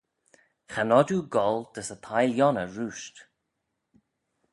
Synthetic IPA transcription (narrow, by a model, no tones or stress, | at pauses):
xanɔduɡɔld̪̥əsət̪ʰajljɔnəɹuːʃt̪